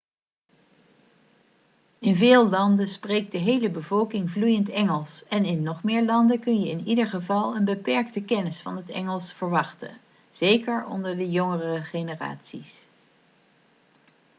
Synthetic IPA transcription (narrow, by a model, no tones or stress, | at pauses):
ɪnvɪːlˠlɑndənsprejk̚dəɦejləbəvɔlˠkɪŋvlujəntɛŋəlˠsɛnɪnːɔχmɪːɹlɑndəkɵnjəɪnidəɹχəvɑlˠənbəpɛɹk̚təkɛnɪsfɑnɦətɛ̰ŋəlˠsfəɹʋɑχtə̰n | z̥ejkəɹɔ̰ndəɹdəjɔŋərəəχenəra̰ːtsis